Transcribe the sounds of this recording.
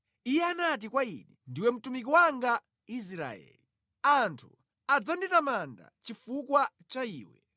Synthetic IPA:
ijɛanat̬ikwaḭɗindiwɛm̩tumik̬iwaŋɡa | is̬ɾa̰ɛ̰li | antʰu | ad͡zanditamanda̰t͡ʃifukwa | t͡ʃaḭːwɛ̰

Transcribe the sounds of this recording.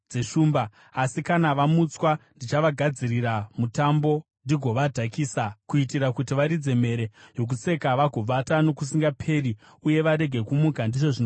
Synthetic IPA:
d͡ze̞ʂuːmbaː | sikanaʋamut͡swandit͡ʃaʋaɡʱad͡ziriɾamutambo̞ | ndiɡʱo̞ʋadʱakiːsakuitiɾakutiʋaɾid͡ze̞me̞ɾe̞jo̞k̬ut͡se̞kaʋaɡʱo̞b͡vatano̞kus̬iŋɡapʰe̞ri | uje̞ʋaɾe̞ɡʱe̞kumukandiʐo̞ʐino

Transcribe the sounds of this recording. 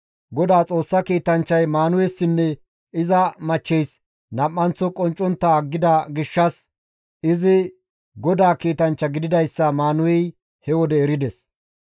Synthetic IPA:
ɡɔd̪aːt͡sʼo̞ːsːɐkiːt̪ɐnt͡ʃːɐjmaːnʊwɛsːɪnːɛ | ɪzɐmɐt͡ʃːɛjs | nɐmʼːɐnt͡sːɔkʼɔnt͡ʃʼːɔnt̪ːɐɡːɪd̪ɐɡɪʃːɐs | ɪzɪ | ɡɔd̪aːkiːt̪ɐnt͡ʃːɐɡɪd̪ɪd̪ɐjsːɐmaːnʊwɛj | hɛwɔd̪ɛːɾɪd̪ɛs

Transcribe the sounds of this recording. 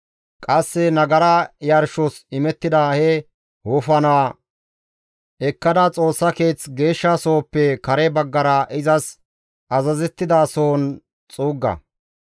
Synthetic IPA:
kʼɐsːɛnɐɡɐɾɐjɐɾʃɔsɪmɛt̪ːɪd̪ahɛ | hʊfɐnaː | ɛkːɐd̪ɐt͡sʼo̞ːsːɐke̞ːt͡sɡe̞ːʃːasoːpːɛkɐɾɛbɐɡːɐɾɐʔɪzɐs | ʔɐzɐzɛt̪ːɪd̪aːsoːn | t͡sʼuːɡːɐ̰

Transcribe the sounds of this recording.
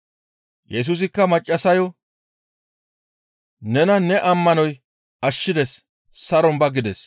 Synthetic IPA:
jɛs̬uːs̬ɪkːɐmɐt͡ʃʼːɐsɐjɔ | nɛnɐnɛʔɐmːɐnɔj | ɐʃːɪd̪ɛs | sɐɾɔmbɐɡɪd̪ɛs

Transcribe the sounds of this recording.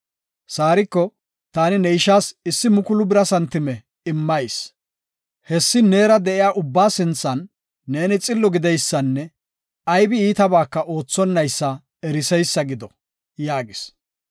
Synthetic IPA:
saːɾɪkːɔ | t̪aːnɪnɛɪʃaːsɪsːɪmʊkʊlʊbɪɾɐsɐnt̪ɪmɛ | ɪmːɐjs | hɛsːɪne̞ːɾɐd̪ɛʔɪjaːʔʊbːaːsɪnt͡sːɐnː | e̞ːnɪt͡sʼɪlːɔɡɪd̪ɛjsːɐnːɛ | ɐjbɪiːt̪ɐbaːkːɐʔo̞ːt͡sːɔnːɐjsːɐ | ɛɾɪsɛjsːɐɡɪd̪ɔ | jaːɡɪs

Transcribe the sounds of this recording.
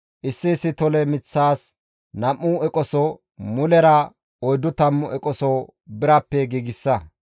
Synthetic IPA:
ʔɪsːɪːsːɪt̪ɔlɛmɪt͡sːaːs | nɐmːʊɛkʼɔsɔ | mʊlɛɾɐ | ɔjd̪ːʊt̪ɐmːʊʔɛkʼɔsɔ | bɪɾɐpːɛɡiːɡɪsːɐ

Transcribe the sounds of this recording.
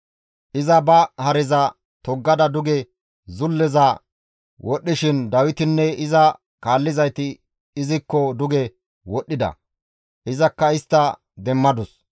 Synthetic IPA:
ʔɪzɐbɐhɐɾɛzɐ | t̪ɔɡːɐd̪ɐd̪ʊɡɛ | zʊlːɛzɐ | wʔɔɗːɪʃɪnd̪ɐwɪt̪ɪnːɛɪzɐ | kaːlːɪzɐjt̪ɪː | zɪkːɔd̪ʊɡɛ | wɔɗːɪd̪ɐ̰ | ʔɪzɐkːɐɪst̪ːɐ | d̪ɛmːɐd̪ʊs

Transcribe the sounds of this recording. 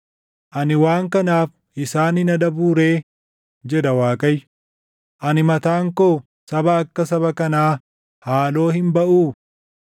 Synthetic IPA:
ʔɐnɪwaːŋkɐnaːf | ʔɪsaːnɪnɐᶑɐbuːɾe̞ː | d͡ʒɛᶑɐwaːkʼɐj | ʔɐnɪmɐt̪aːŋkoː | sɐbɐːkːɐs̬ɐβɐkɐnaː | haːlo̞ːhɪmbɐʔuː

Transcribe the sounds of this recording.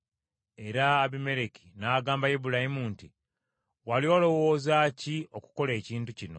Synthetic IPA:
e̞ɾaːβime̞ɾeki̥naːɡaːmbajebuɾahimunti | walio̞ːlo̞wo̞ːzacio̞ku̥ko̞le̞ːciːntucino̞

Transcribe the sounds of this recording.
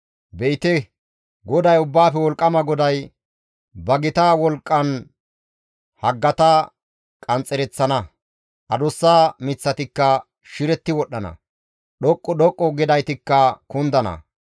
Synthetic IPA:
bɛʔɪt̪ɛ | ɡɔd̪ɐjʊbːaːfɛwɔlkʼːɐmɐɡɔd̪ɐj | bɐɡɪt̪awɔlkʼːɐn | hɐɡːɐt̪ɐ | kʼɐnt͡sʼːɛɾɛt͡sːɐnɐ | ʔɐd̪ʊsːaːmɪt͡sːɐt̪ɪkːɐ | ʃɪɾɛt̪ːɪwɔɗːɐnɐ̰ | ɗɔkʼːɔɗɔkʼːɔɡɪd̪ɐjt̪ɪkːɐkʊnd̪ɐnɐ̰

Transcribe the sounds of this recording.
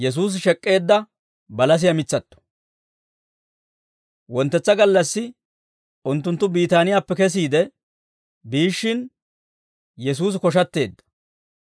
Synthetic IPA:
jɛs̬uːs̬ʃɛkʼːe̞ːd̪ːɐ | bɐlɐs̬ɪjɐmɪt͡sːɐt̪ːɔ̥ | wɔnt̪ːɛt͡sːɐɡɐlːɐsːɪ | ʔʊnt̪ːʊnt̪ːʊbiːt̪aːnɪjaːpːɛkɛs̬iːd̪ɛ | biːʃːɪn | jɛs̬uːs̬kɔʃ̬ɐt̪ːe̞ːd̪ːɐ̥

